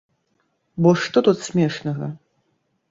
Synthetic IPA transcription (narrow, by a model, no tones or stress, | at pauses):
bɔʂt̪ɔt̪ut̪sʲmʲɛʂnɐɣɐ